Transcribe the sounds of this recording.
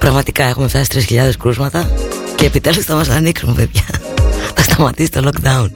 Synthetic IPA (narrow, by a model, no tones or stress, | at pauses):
pɾɐɣmɐt̪ikɐe̞xumeft̪ɐse̥t̪ɾisçiʎɐðe̞skɾuzmɐt̪ɐceːpit̪elist̪ɐmɐsɐniksumevepʝɐθɐst̪ɐmɐt̪isi̥t̪o̞lokd̪ɐun